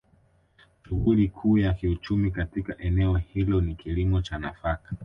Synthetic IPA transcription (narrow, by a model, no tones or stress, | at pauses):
ʃuɣulikʰuːjakiut͡ʃumikatikaʔɛnɛɔhilɔnikilimɔt͡ʃanafakḁ